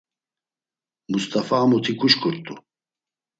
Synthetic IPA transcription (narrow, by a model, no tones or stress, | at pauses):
must̪ʼafaːmɔt̪ʰikʰʼuʃkʰʼuɾt̪ʼu